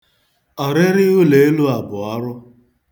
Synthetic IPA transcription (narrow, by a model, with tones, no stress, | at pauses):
ɔ˨ɾe˦ɾɪ˦ɦʊ˦le˨e˦lu˦a˨bʊ˨a˦ɾʊ˦